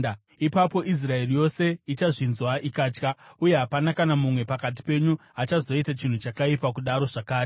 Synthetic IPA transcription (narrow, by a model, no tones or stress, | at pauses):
ipapo̞ʔis̬rae̞rijo̞se̞it͡ʃaʐinzwaʔikaːt͡ʃkauje̞ɦapanakanamumwe̞pakat̬i̥pe̞ɲuat͡ʃazo̞itat͡ʃin̤ut͡ʃakaipakuɗaɾo̞ʐakaːɾe